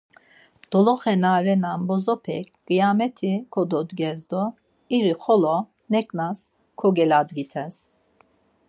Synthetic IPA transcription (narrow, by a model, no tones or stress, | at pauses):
d̪̥ɔlɔχɛnaɾɛnanbɔzɔpʰɛk̚ʰɡ̥ijamɛt̪ʰikʰɔd̪ɔd̪ɡɛzd̪ɔ | iɾiχɔlɔ | nɛkʼnas | kʰɔɡɛlad̪ɡit̪ʰɛs